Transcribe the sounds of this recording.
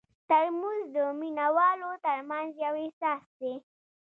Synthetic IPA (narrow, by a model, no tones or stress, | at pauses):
t̪aɾmuzd̪əminawɑlot̪əɾmanzjawɪsɑsd̪e